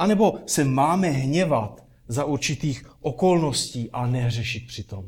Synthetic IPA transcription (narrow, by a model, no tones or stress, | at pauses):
ʔanɛbo̞sɛmaːmɛɦɲɛvat̪ | zaʔuɾt͡ʃɪt̪iːxʔoko̞lno̞sciːʔanɛr̝ɛʃɪt̪̚pr̝̥ɪt̪om